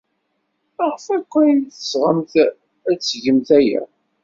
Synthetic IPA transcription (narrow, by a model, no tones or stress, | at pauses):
ɑʁəfækʷːæjnθə̥sʁəmθ | æt͡sːʝəmθæjæ̰